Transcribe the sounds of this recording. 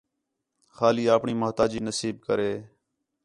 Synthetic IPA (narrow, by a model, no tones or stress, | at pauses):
xaːliːaːpɳiːməɦt̪aːd͡ʒiːnəsiːb̚kəɾeː